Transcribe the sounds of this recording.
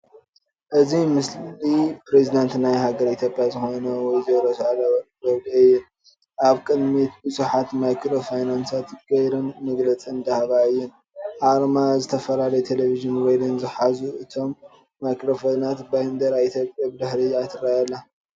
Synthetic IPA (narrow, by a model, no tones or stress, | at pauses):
ʔɨzimɨslipɾezid̪ant̪najɦaɡɐɾit̪ʰʲjopʼjazɨxo̞nɐwɔjzɐɾɐsalbɐβd̪iɨjːɪn | ʔaβkʼɨd̪mit̪bɨzʼuħat̪majkɾo̞fajnansat̪ɡ̥ɐjɾɨnmɐɡlɐt͡sʼind̪ahβaɨjːɪn | ʔaɾmazɨt̪ʰɐfɐlalɐjt̪ʰe̞leviʒɨnwojd̪ɐnzɨħazuʔɨt̪ʰo̞mː | ajkɾo̞fonat̪band̪ɐɾaβit̪ʰjopʼjabɨd̪ɨħɾiat̪ʰɨɾajalːa